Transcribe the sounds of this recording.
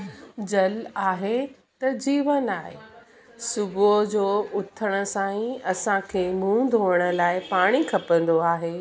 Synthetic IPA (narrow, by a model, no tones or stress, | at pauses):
d͡ʑɐlaːɦe | t̪ɐd͡ʑiːʋənaːɦe | sʊbod͡ʑoːʊt̪ʰəɽ̃ə̆sãːĩɐsãkʰeːmũːd̪ʱoːəɽ̃ə̆laːɪpaːɽ̃ikʰɐpə̃nd̪oaːɦeː